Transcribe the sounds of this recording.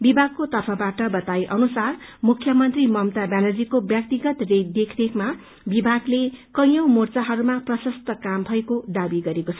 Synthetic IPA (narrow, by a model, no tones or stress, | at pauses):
bibʱaɡkot̪ʌrpʰʌbaʈʌbʌt̪ajʔʌnusarmukʰːjʌmʌnt̪rimʌmt̪abjanʌd͡zikobjʌk̚t̪iɡʌt̪red̪ekʰdekma | bibʱaɡlekʌ̃j̃jʌwmort͡saɦʌɾumaprʌsʌst̪ʌkambʱʌekod̪abiɡʌɾekot͡sʰʌ